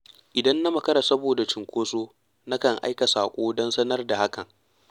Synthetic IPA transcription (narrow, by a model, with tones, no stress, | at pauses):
ʔɪ˨dɐ˦nːa˦mɐ˨kɐ˦ɾa˨sɐ˦boː˨da˨t͡ʃɪ˨ŋkʷoː˦soː˦ | na˦kɐ˨ŋʔa̰˦jkɐ˨saː˨kʷʼoː˦dɔ˦nsɐ˦nɐ˦rda˨ha˦kɐ˨ŋ